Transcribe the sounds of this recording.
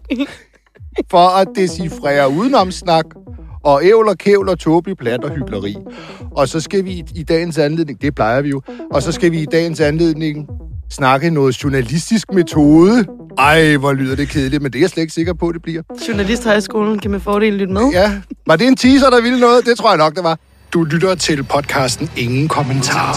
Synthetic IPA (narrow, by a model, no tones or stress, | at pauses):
fɒ̽æd̥e̝sifʁɛ̰ːɐuːð̞ˠnɒ̽msnɑ̈ɡ̥ɒ̽eʊlɒkʰeʊ̰lɒt͡sʰɔːb̥ləpʰlæd̥ɒ̽hyɡ̥lɐʁḭːʔɒ̽sɒ̽sɡ̥æʋiːd̥ɛ̰ːɪn̩sænle̝ðˠne̝ŋd̥e̝pʰlɑ̈ɪɐʋijo̝ʔɒ̽sɒ̽sɡ̥æʋiːd̥ɛ̰ːn̩sænle̝ð̞̰ˠne̝ŋsnɑ̈ɡ̥ənɔ̽ːð̩ˠɕuɐnælisd̥isɡ̥̚me̝t͡sʰo̝ːð̞ˠə | ɑ̈ɪʋɒlyð̞̰ˠɐd̥e̝kʰe̝ð̞ˠlid̥mend̥e̝æjɑsled̥e̝ɡ̥se̝ɡ̥ɐpʰɒ̽d̥e̝b̥liɐ̰ɕuɐnælisd̥hɑɪsɡ̥o̝ːln̩kʰæmæfɒːɾe̝̰ːl̩lyd̥meðˠjæʋɑ̈de̝ent͡sʰiːsɐɾ̥ɑ̈ʋilənɔ̽ːð̩ˠd̥e̝t͡sʰʁo̰ɐ̰ɑnɒ̽ɡ̥d̥eʋɑ̈ | d̥ulyd̥ɐt͡sʰe̝lpʰɒ̽d̥̚kʰɑ̈ːsd̥n̩e̝ŋn̩kʰɒmənt͡sʰɑ̰̈ː